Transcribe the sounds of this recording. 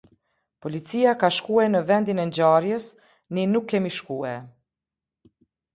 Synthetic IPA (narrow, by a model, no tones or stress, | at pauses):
pɔlit͡sijakaʃkuanəvɛnd̪inɛnd͡ʑaɾjəs | ninukʰːɛmiʃkuɛ